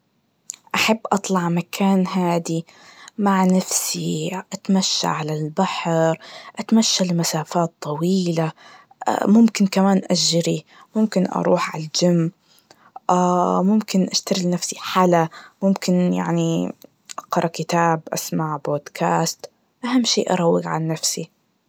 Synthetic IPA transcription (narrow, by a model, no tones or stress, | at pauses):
ʔaħabːʔɑt̪ˤlɑʕmakʰaːnɦaːd̪imaʕnafsiʔat̪maʃːa̰ʕalalbaħɾʔat̪maʃːalɪmasaːfaːt̪ˤːɑwiːla | ʔmʊmkɪnkamaːnʔaʒːɾi | mʊmkɪnʔɑ̰ɾˤuːħʕa̰ld͡ʒamː | ʔamʊmkɪnʔaʃt̪aɾɪlnafsiħalamʊmkɪnja̰ʕni | ʔɑqɾˤɑkɪt̪aːbʔa̰smaʕboːd̪kʰaːst̪ | ʔahamːʃḭːʔɑ̰ɾˤɑwːɪɡʕa̰nːafsi